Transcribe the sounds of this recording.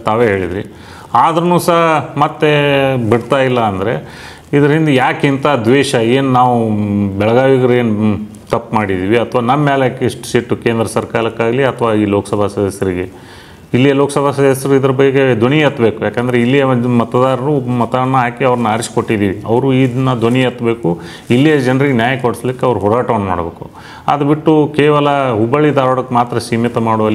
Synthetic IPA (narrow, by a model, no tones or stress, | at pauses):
t̪aːʋeːɦeːɭid̪ɾḭ | aːd̪ɐɾɐnuːsɐɦɐmɐt̪ːe̞biɽt̪aːjilːɐːnd̪ɐɾe̞̰ | id̪ɐɾɐɦind̪ejaːkint̪ɐd̪ʋeːʃɐe̞ːnnaːʋubɛɭɐɡaːʋiɡɐɾe̞ːn | t̪ɐpːmaːɽid̪iːʋiɐt̪ʰʋaːnɐmːaːlekeʂʈsiʈːukeːnd̪ɾɐsɐɾkaːɾɐkːaːɡliɐt̪ʰɐʋaːiːloːkɐsɐbʱasɐd̪ɐsjɐɾiɡe̞ | ilːijɐloːkɐsɐbʱasɐd̪ɐsjɐɾuid̪ɐɾɐbɐɡeɡed̪ʱoɳiɐt̪ːbe̞ːkujaːkeːnd̪ɐɾeilːijɐmɐt̪ɐd̪aːɾɐɾumɐt̪aːɐnːɐɦaːkiɐʋɾɐnːɐaːɾʃko̞ʈːid̪iːʋiɐʋɐɾuiːd̪ɐnːɐd̪oɳiɐt̪ːbe̞ːku | ilːijɐd͡ʒɐnɐɾiɡenjaːjɐkoɽislikːeɐʋɐɾuɦɔɾaːʈɐʋɐnma̰ːɽbe̞ːku | a̰ːd̪ɐbiʈːukeːʋɐlɐɦubɐɭid̪aːɾoɽɐkːemaːt̪ɾɐsiːmɐt̪ɐmaːɽuʋɐlːi